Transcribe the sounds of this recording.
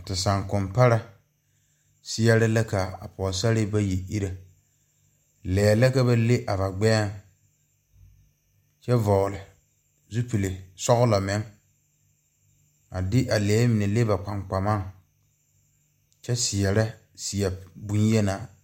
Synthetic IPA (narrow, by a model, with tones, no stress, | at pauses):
tɪ˨sa˨ŋkʊ˨mpa˦ɾa˦ | sɪ˦ɛ˦ɾɪ˦la˦ka˨a̰˨pɔ˨sa˦ɾɪ˦ba˦je˨ʔi˦ɾa˨ | lɛː˨la˦ka˦ba˦le˦ʔa˨ba˨ɡ͡bɛː˦˨ŋ | t͡ʃɛ˦vɔ˨lɪ˨ | zu˦pi˨lɪ˨sɔ˦ɣʊ˦la˨mɪ˨˦ŋ | a˨dɪ˦ʔa˨lɛː˨˦mɪ˨nɛ˨le˦ba˨k͡pa˨ŋ͡mk͡pa˨ma˦ŋ | t͡ʃɛ˦sɪ˨ɛ˨ɾa˦ | si˨ɛ˨bu˦n˦jɛ˦naː˦˨